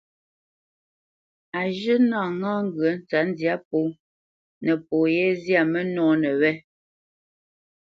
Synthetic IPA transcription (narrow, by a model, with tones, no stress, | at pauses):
a˨ʒɨ˦na˦˨ŋãː˦ŋ̩˦ɡɰə˨˦n̩˦t͡sa˨˦n˦dja˦po˦ | nə˨poː˨jɛ˦zja˦˨mə˦nɔː˦nə˨wɛ˦